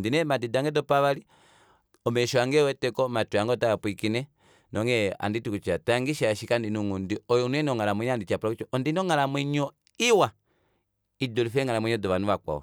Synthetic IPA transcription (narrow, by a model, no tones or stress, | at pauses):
ndinɛmadidaŋɡɛdɔpaβali | ɔmɛʃɔaŋɡɛwɛtɛkɔmatuaŋɡɔtaapwikinɛ | nʔɔŋɡɛa̰nditukut͡ʃataŋɡiʃaaʃikandinuŋundiɔjɔnɛnɔŋalamwɛɲandit͡ʃapɾakut͡ʃɔɔndinɔŋalamwɛɲɔ | iwa | idɔlifɛŋalamwɛɲɔdɔβanuβakwa̰ɔ̰